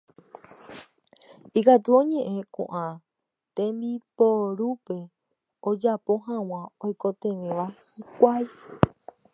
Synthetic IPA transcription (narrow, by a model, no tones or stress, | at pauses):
ikat̪uõɲẽ̞ʔẽ̞kṵ̃ʔã | t̪ẽmbipoɾupe̞ | od͡ʒapo̞ɦãw̃ãojko̞t̪ẽ̞ʋẽʋahikʷaj